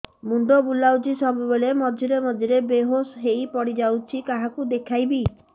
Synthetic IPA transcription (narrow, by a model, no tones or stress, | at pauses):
mund̪ɔbulawt͡ʃʰisɔbubeɭemɔd͡ʒ̪ʱiɾemɔd͡ʒʱiɾebeɦosɦejpɔɽid͡ʒawt͡ʃʰikaɦakud̪ekʰajbi